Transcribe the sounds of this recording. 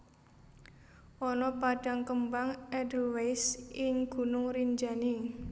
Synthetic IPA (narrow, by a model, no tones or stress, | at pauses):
ʔɔnɔpaɖ̥a̤ŋkəmbaŋɛdəlwejsɪŋɡ̥ṳnʊŋriɲd͡ʒani